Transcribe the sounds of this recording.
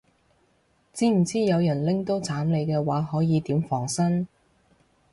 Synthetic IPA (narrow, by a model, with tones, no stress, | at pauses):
t͡siː˨˥m̩˨˩t͡siː˥jɐ˨˧wjɐ˨˩nlɪ˥ŋt̪o˥wt͡saː˨˥mle˨˧jkɛː˧waː˨˧˥ɦɔː˨˥jiː˨˧t̪iː˨˥mfɔː˨˩ŋsɐ˥n